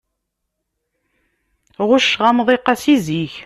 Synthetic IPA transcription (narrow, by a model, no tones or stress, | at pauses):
ʁʊʃːʁamðˤeqːasiziç